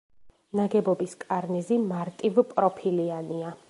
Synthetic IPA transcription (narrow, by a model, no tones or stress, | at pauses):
naɡɛbɔbiskʼaɾnɛzimaɾt̪ʼivpʼɾɔpʰiliania